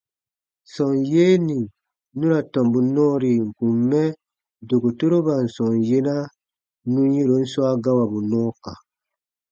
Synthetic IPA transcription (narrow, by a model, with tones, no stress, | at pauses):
sɔ˨nje˦ni˨ | nũ˦ɾa˨tɔ̃˨mbu˨nɔ̃˦ɾi˨ŋ̩˨ku˨mːɛ˦ | do˨ko˨to˦ɾo˦ba˨n̩˨sɔ̃˨nje˦na˦ | nũ˦je˦ɾo˨˦n̩˦swa˦ɡa˦wa˨bu˨nɔ̃ː˦ka̰˨